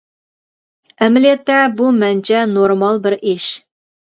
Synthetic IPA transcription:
ɘm̆let̪ːæbumænt͡ɕænoɾmɑlˠbɘɾʔiʃ

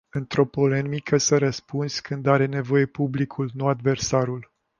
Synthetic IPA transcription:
ɨnt̪ɾo̞po̞le̞mikʰəsəɾəspunskʰɨnd̪aɾe̞ne̞vo̞je̞publikʰulnuad̪ve̞rsaɾul

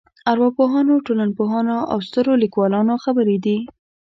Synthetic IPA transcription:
aɾwɑpoɦɑnoʈolanpoɦɑnoʔa̰wst̪əɾolikwɑlɑnoxabəɾed̪i

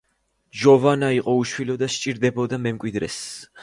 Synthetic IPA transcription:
d͡ʒɔvanaiqʼɔuʃwilɔd̪aʃt͡ʃʼiɾd̪ɛbɔd̪amɛmkʼwid̪ɾɛ̰s

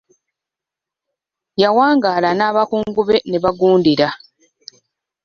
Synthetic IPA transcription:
jawaːŋɡaːlanaːβakuːŋɡuβe̞ne̞βaɡuːndiɾa

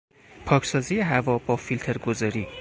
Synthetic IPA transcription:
pʰɒːcʰsɒːziːjeɦævɒːbɒːfilt̪ʰeɾɡozɒːɾiː

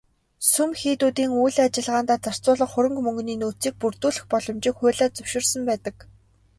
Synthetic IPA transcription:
sumxiːt̪uːt̪iːŋujɮat͡ɕɪ̆ɮʁaːnt̪aːt͡sar̥t͡sʊːɮə̆ɴχʊɾɵ̆ŋkmɵŋɡniːnuːt͡siːk̚purt̪uːɮɘ̆xpɔɮɞ̆mt͡ɕɪ̆ːkxʊ̟ːɮaːt͡sɵw̥ʃɪ̆rsə̆mpæːt̪ə̆k

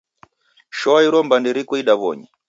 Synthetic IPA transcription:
ʃɔaiɾɔmbandiɾikɔiɗaβɔ̰ɲɛ

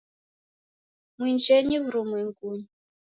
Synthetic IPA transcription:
mwind͡ʒɛɲiβuɾumwɛŋɡuɲi

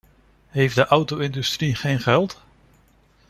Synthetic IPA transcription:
ɦejfdəʔʌwtowɪndystriχejnχɛlˠt

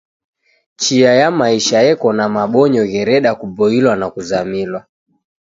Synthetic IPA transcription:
t͡ʃiajamaiʃajɛkɔnamaɓɔɲɔɣɛɾɛɗakubɔilwanakuzamilwa

